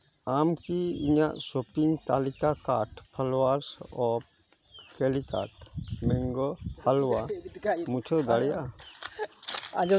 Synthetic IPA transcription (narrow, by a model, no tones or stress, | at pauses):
aːmkiɪ̰nã̰soːpɪ̃ŋɡt̪aːlɪkakaːʈpʰəlwaːɾsɔːp | keːlika̰ːʈmẽŋɡohəlwamʊt͡ʃʰod̪əɽja